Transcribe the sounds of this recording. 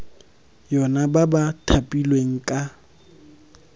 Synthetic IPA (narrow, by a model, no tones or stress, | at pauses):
jɔnababatʰapʼilweŋ̩kʼa